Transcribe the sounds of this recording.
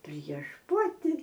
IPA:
pʲrʲiɛʃ ˈpɑːtʲɪ

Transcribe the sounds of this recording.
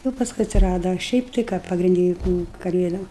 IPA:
juːʊ pɐsˈkʊɪ ɐtʲsʲɪˈrɑːdɐ ɐ ˈʃʲɛɪp tɐɪ ˈkɑː pɐɡrʲɪnʲˈdʲɪ jʊk ˈnʊ kɐˈlʲeːdoːm

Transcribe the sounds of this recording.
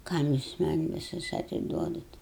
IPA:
ˈkɐm jʊs mɐnʲ ʋʲɪˈsʊs ɐtʲɪˈduɔdɐt

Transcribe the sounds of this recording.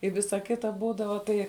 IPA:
ɪ ˈʋʲɪsɐ ˈkʲɪtɐ ˈbuːdɐʋɐ ˈtɐɪ

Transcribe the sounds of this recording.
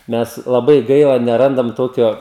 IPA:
ˈmʲɛs lˠɐˈbɐɪ ˈɡɐɪlˠɐ nʲɛˈrɐndɐm ˈtoːkʲoː

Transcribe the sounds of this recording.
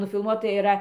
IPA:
nʊfʲɪlˠˈmuɔtɐ ɪˈrɐ

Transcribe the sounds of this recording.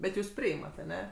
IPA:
bʲɛt ˈjuːs ˈpʲrʲɪɪmɐt ɐˈnʲɛ

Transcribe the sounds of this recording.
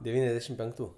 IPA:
dʲɛˈʋʲiːnʲɛzʲdʲɛʃʲɪm pʲɛŋkˈtuː

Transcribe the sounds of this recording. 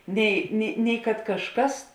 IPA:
ˈnʲɛɪ nʲɪ nʲɛɪ kɐt kɐʃˈkɐs

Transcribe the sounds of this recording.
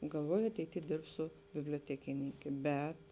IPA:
ɡɐlˠˈʋoːjʊ ɐtʲɛɪˈtʲiː ˈdʲɪrpsʊ bʲɪbʲlʲoːtʲɛkʲɪˈnʲɪŋʲkʲeː ˈbʲɛt

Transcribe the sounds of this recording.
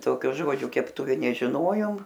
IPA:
ˈtoːkʲoː ˈʒoːd͡ʒʲoː kʲɛpˈtʊʋʲɪ nʲɛʒʲɪˈnoːjoːm

